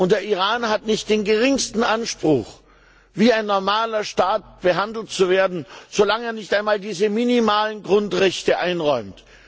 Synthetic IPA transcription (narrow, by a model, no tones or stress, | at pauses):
ʔʊnt̚d̥eːɐʔiʁaːnɦatnɪçt̚d̥eːnɡəʁɪŋstn̩ʔanʃpʁ̥ʊ̰x | viːaɪnːɔɐmaːlɐʃtaːt̚b̥əɦandl̩tt͡suveːɐdn̩z̥olaŋeːɐnɪçtaɪnmaːldiːzəminimaːlənɡʁʊntʁɛçtəʔaɪnʁɔʏmt